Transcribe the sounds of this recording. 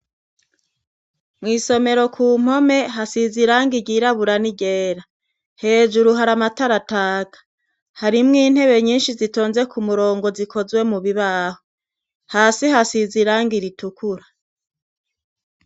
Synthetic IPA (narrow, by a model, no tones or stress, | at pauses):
mŋiːso̞me̞ɾo̞kʰuːm̥ho̞me̞ɦasiziɾaːŋɡiɟiːɾaβuɾaniɟe̞ːɾa | he̞ːd͡ʒuɾuɦaɾamataɾataːɡ̥ḁ | haɾimŋiːn̥he̞βe̞ɲiːnʃizito̞ːnze̞kʰumuɾo̞ːŋɡo̞zikʰo̞zwe̞muβiβaːho | haːsihasiziɾaːŋɡiɾitukʰuɾa